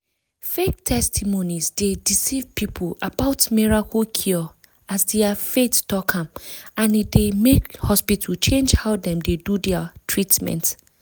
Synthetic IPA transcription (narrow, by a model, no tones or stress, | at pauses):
fek̚tʰɛstʰimõnizdedisivpipʰabaʊtmiɹakʰɔkʰiɔ | azdɛafetd̥ɔkʰãmãnidemekhɔspitʰəlt͡ʃʰẽnd͡ʒhaʊdɛ̃mdedudɛatʰɹitmɛ̰̃nt